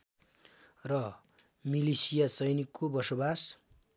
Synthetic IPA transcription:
rʌ | milisijasʌjnikːobʌsobas

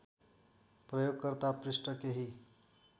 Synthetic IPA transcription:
prʌjoɡ̚kʌɾt̪aprisʈʌkeɦi

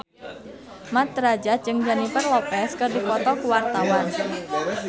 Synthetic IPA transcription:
mat̪ɾad͡ʒat̪̚d͡ʒɨŋd͡ʒanipərlɔpɛskɨrdikɔt̪ɔkuwart̪awan

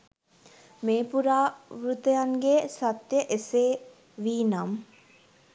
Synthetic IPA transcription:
meːpuɾaːʋɾut̪əjaŋɡeːsat̪jəʔese | ʋiːnam

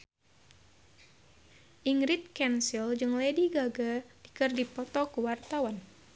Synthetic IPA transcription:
ʔiŋɾit̪̚kɛnsild͡ʒɨŋlɛdiɡaɡadikɨrdipɔt̪ɔkuwart̪awan

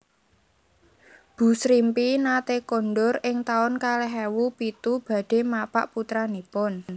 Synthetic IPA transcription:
b̥ṳsɾimpinat̪ekonɖʊɾɪŋt̪aʊnkaleɦɛwupit̪ub̥ä̤ɖ̥e̤mapa̰ʔput̪ɾanipʊn

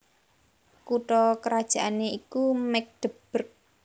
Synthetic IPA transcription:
kuʈɔkəɾad̥ʒ̥a̤ʔaneikumɛk̚d̪̥əb̥ərk̚

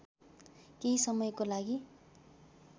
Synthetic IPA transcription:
keisʌmʌjkolaɡi

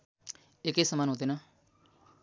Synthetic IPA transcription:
ɪkeːsəmaːnɦoːd̪eːnaː

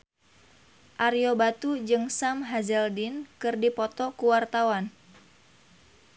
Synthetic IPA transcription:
ʔarjobat̪ud͡ʒɨŋsamɦazɛldinkɨrdipɔt̪ɔkuwart̪awan

